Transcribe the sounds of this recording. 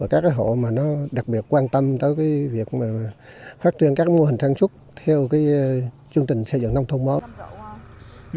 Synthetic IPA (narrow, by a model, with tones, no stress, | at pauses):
ə˧˩kaː˦˥k̚ːaː˨˦jɦo̰˧˨maː˨˩nɔ˨˦ɗa˨˩k̚ɓi˨˩ət̚kwaː˧nt̪ə˧mt̪əː˨˦jkaː˨˦jvi˨˩ək̚maː˨˩faː˦˥t̚t͡ɕwi˧ənkaː˦˥k̚mo˧hi̟˨˩saː˧ŋsʊ˦˥k͡p̚t̪ʰɛ˧wkaː˨˦j | t͡ɕɨ˧əŋt͡ɕï˨˩ŋ̟sə˧zɨ̰˧˨ŋn˧ŋ͡mt̪ʰə˧wŋ͡mɓaː˨˦w